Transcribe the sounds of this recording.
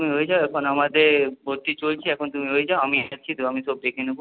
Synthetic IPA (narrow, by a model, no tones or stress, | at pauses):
t̪umiɦojed͡ʑaoɛkʰonamad̪eɾbʱoɾt̪it͡ɕolt͡ɕʰiɛkʰont̪umiɦojed͡ʑaoamit͡ɕʰit̪oamiʃob̚d̪ekʰinobo